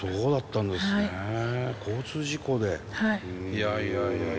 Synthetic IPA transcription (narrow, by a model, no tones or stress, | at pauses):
soːd̪at̪ːãnd̪esɨekʰo̞ːt͡sɨːʑiko̞d̪e̞haijaa